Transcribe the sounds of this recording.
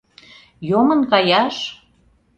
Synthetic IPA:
jomə̆nkɑjɑʃ

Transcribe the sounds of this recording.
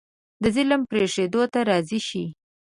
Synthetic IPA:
d̪əzɪlmpɾeʂed̪ot̪aɾɑziʃi

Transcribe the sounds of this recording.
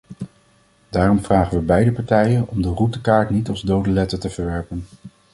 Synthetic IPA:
d̥aːrɔmvraːχənʋəbɛjdəpɑɹtɛjənɔmdərutəkaːɹtnitɑlˠzdowdəlɛtətəvəɹʋɛɹpən

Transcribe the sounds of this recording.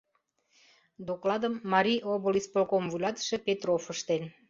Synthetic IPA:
d̪oklɑd̪əmːɑɾʲiʔoβə̆lispolkomvulɑt̪ʃĕpet̪rofəʃt̪en

